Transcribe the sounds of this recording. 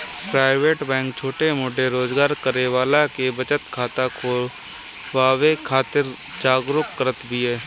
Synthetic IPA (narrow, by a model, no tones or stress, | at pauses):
pɾaːɪʋeːʈbɛ̃ːŋk̚t͡ʃʰoːʈemʊɖʱeɾoːd͡ʒɡaːɾkəɾeʋaːlakebət͡ʃət̪kʰaːt̪akʰoːl | ʋaːwekʰaːt̪ɪɾ | d͡ʒaːɡɾʊkkəɾət̪bʱiɦɛː